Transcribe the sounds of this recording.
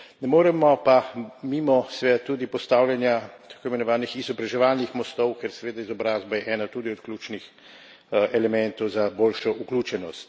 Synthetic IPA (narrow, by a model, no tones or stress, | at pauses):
nɛmoːɾɛmɔpamimɔsɛʋeːd̪at̪ːuːd̪ipɔst̪aːwljɛnjat̪ḁkoːimɛnɔʋaːnixizɔbɾaʒɛʋaːlnixmɔst̪ɔwkɛɾsɛʋeːd̪aizɔbɾaːzbajɛʔɛːnat̪uːd̪iɔt̪klʲuːt͡ʃnix | ɛlɛmɛnt̪ɔwzaboːlʃɔʔukluːt͡ʃɛnɔst̪